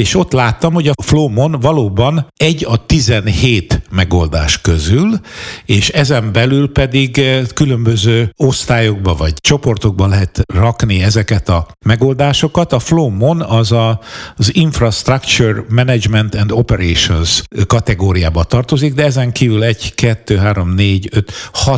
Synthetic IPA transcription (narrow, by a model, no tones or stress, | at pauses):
eːʃo̞t̪ːlaːt̪ːɒmho̞ɟɒfloːmo̞nvɒloːbɒnɛɟːɒt̪izɛnheːt̪mɛɡo̞ld̪a̰ːʃkø̞zyleːʃɛzɛmbɛlylpɛd̪iɡkylømbøzøːo̞st̪aːjoɡ̚bɒvɒɟt͡ʃo̞po̞rt̪o̞ɡ̚bɒlɛɦɛt̪rɒkniɛzɛkɛt̪ɒ | mɛɡo̞ːld̪aːʃo̞kɒt̪ɒfloːmonɒzɒziɱfrɒst̪rɒkt͡ʃurmɛnɛd͡ʒmɛnt̪ɛnd̪o̞pɛɾeːʃo̞nskɒt̪ɛɡoːɾijaːbɒt̪ɒrt̪o̞ziɡ̚d̪ɛɛzɛŋkiːvylɛɟkɛt̪ːøːɦaːɾo̞mneːɟøt̪hɒ